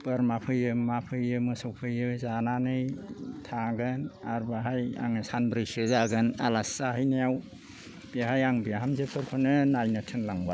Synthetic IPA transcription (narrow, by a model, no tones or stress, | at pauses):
b̥əɾmapʰɯjɯmapʰɯjɯmɯsɔwpʰɯjɯzananɯjtʰaɡɯna̰ɾbaɦaja̰ŋɯsanbɾɯjsɯzaɡɯna̰lasaɦɯjnajaw | b̥iɦajaŋbiɦamzepʰɯɾkʰɔnɯnajnatʰɯnlaŋba